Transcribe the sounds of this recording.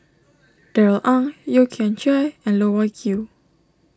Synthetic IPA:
d̥ɛɹlʔãnjukʰɛ̃nt͡ʃajɛ̃nlowakʰju

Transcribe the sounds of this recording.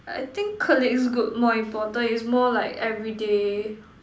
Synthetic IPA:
ʔa̰jt̪ɪ̃ŋkʰəlɪksɡut̚mɔĩmpɔtə̃nitsmɔlaɪkɛvɹide

